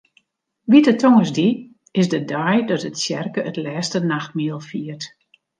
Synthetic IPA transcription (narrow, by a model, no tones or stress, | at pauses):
ʋitətʰoŋəsdi | ɪsdədajdɔtətsjɛrkəətlɛːstənaxt̚miəlˠfiərt